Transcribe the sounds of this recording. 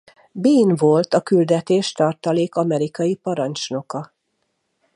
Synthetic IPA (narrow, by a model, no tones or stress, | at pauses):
biːnvo̞lt̪ɒkyld̪ɛt̪eːʃt̪ɒrt̪ɒleːkɒmɛɾikɒjipɒɾɒnt͡ʃno̞kɒ